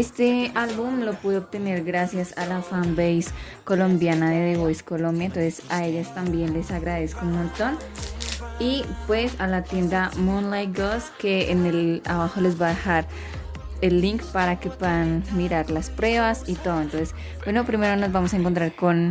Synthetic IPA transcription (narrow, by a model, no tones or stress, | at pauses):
e̞st̪e̞alβumlo̞puðeoβ̚t̪e̞ne̞ɾɡɾasjasalafambejs | ko̞lo̞mbjanaðeðeβojsko̞lombjaent̪o̞nsesae̞ʝast̪ambje̞nle̞saɣɾað̞eskomont̪o̞n | ipwe̞salat̪je̞nd̪amũnlajɡoske̞enela̰βaxo̞le̞zβaðexaɾ | elːiŋkpaɾake̞pweðanmiɾaɾlaspɾwe̞βasit̪o̞ðoent̪o̞nses | bwe̞nopɾime̞ɾono̞zβamos̬aeŋkont̪ɾaɾko̞n